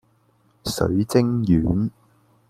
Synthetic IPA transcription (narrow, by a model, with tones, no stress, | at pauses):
sɵ̰˨˥ɥt͡sɪ˥ŋjyː˨˥n